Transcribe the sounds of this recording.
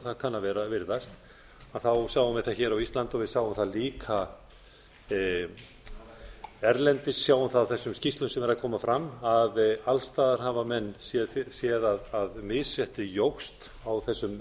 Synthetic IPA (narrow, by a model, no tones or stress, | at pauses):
θaðkʰanːavɛːɾavɪɾðast̪ | aðθawsjaːwʏmvɪðθaðçɛːɾawist̪lant̪ɔvɪðsaːwʏmθaðliːkʰa | ɛɾlɛnt̪ɪsjaːwʏmθaðːwθɛsːʏmscist̪lʏnsɛmɛɾaðkʰɔːmafɾamːaðalst̪aːðaɾ̥havamɛnːsjɛsjɛðaðaðmɪðsvjɛht̪ɪjowxst̪ | awθɛsːʏm